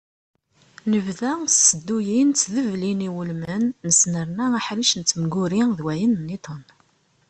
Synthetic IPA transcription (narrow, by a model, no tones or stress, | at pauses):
nəvðæsːəd̪ːujint͡sːðəvliniwəlmənːəsnəɾnæaħɾiʃənt͡sːəmɡʊɾiðwæjənːit̪ˤən